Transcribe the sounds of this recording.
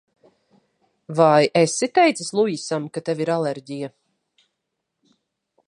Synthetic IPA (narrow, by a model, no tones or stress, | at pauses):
vajesːit̪ɛjt̪saslˠujisamkat̪eviɾaleɾɟija